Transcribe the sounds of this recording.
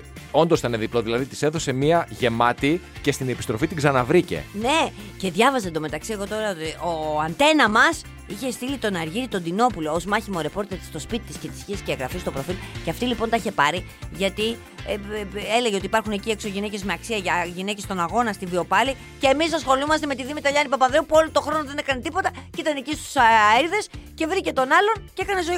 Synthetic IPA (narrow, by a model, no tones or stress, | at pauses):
o̞nd̪o̞st̪ɐneðiplo̞ðilɐðit̪i̥se̞θo̞se̞miɐʝe̞mɐt̪i | ce̞st̪inepist̪ɾo̞fit̪iɡzɐnɐvɾice̞̰ne̞ | ce̞ðʝɐvɐzend̪o̞me̞t̪ɐksieɣo̞t̪o̞ɾɐot̪ioɐnt̪e̞nɐmɐs | içe̞st̪ilit̪o̞nɐɾʝiɾit̪o̞nd̪ino̞pulo̞ozmɐçimo̞ɾe̞po̞ɾt̪eɾt̪i̥st̪o̞spit̪it̪isce̞t̪i̥sçiɐscɐɣɾɐfist̪o̞pɾo̞filceɐft̪ilipo̞nt̪ɐiçe̞pɐɾiʝɐt̪i | e̞leʝeot̪ipɐɾxune̞cie̞kso̞ʝine̞ce̞zmeɐksiɐʝɐʝine̞ce̞st̪o̞nɐɣo̞nɐst̪ivio̞pɐli | ce̞ːmis̬ɐsxo̞lumɐst̪e̞me̞t̪iðimit̪ɐʎɐnipɐpɐðe̞upuo̞lot̪o̞xɾo̞noðene̞kɐnet̪ipo̞t̪ɐcit̪ɐnecist̪u̥seɾðe̞sce̞vɾice̞t̪o̞nɐlo̞nceekɐne̞zoi